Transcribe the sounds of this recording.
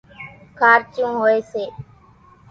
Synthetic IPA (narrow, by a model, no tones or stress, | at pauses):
kʰaːɾt͡ʃũːɦoeːseː